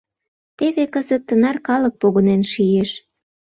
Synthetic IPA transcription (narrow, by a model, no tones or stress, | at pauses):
t̪eβekəzək̪̚t̪ənɑrkɑlək̚poɣonenʃijeʃ